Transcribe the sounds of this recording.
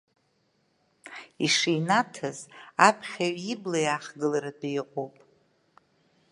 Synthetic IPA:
iʂijnatʰazapʰχʲaɥiblajaχɡɨlaɾadaiqʷʼopʼ

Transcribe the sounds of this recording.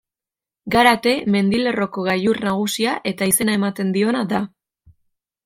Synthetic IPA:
ɡaɾat̪e̞me̞nd̪ile̞ro̞ko̞ɣajurnaɣ̞usiaʔe̞t̪aise̞nae̞mat̪e̞nd̪io̞naða

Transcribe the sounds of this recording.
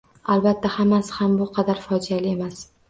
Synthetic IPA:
albat̪ʰːahamːasɪ̥hambʊqʰɑd̪aɾfɒd͡ʒialɪe̞mas

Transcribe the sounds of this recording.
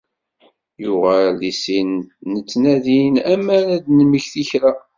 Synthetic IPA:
jʊʁælisinːət͡sːnæðinæmænæd̪nməçθiçɾæ

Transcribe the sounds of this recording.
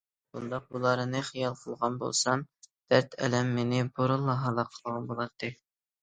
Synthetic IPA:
b̥und̪ɑq̚bulˠɑɾɨnɨχijɑlˠqʰəlˠʁɑnbo̰lˠsɑmd̪̥æɾt̪ʰɛ̰lɛmːenɪboɾɨlˠːɑɦɑlˠɑqʰəlˠʁɑnbolˠɑt̪ːɨ

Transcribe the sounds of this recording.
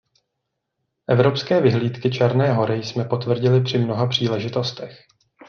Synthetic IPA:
ʔɛvɾo̞pskɛːvɪɦliːt̪kɪt͡ʃʰɛɾnɛːɦo̞ɾɪjsmɛpo̞t̪vr̩ɟɪlɪpr̝̥ɪmno̞ɦapr̝̥iːlɛʒɪt̪o̞st̪ɛx

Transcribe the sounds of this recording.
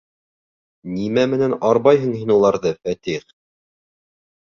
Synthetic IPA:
nimæmɘ̆nænɑɾβɑjɦɤ̆ɴhinulˠɑɾðɤfæt̪iχ

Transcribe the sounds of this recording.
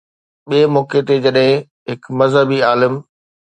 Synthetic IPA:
ɓiemɔːket̪ed͡ʑɐɗɦɪ̃ | ɦɪkmɐzɦəbiaːlɪm

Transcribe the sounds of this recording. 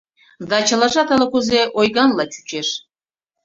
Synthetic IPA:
zd̪ɑt͡ɕɤ̆lˠɑʒɑt̪ɑlˠɤ̆kuzeʔojɡɑnlˠɑt͡ɕy̥t͡ɕeʃ

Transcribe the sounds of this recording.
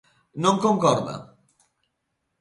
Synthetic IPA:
nõŋkõŋkɔɾðɐ̰

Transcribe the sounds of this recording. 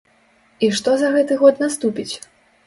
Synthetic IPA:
iʂt̪ɔzɐɣɛt̪ɨɣɔt̪nast̪upʲit͡sʲ

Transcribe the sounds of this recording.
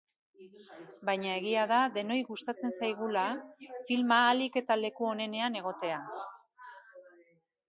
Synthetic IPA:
bajɲae̞ɣ̞iaðaðe̞no̞jɣust̪at͡se̞nsajɣ̞ulafilmaːlike̞t̪ale̞kuo̞ne̞ne̞ane̞ɣ̞o̞t̪e̞a

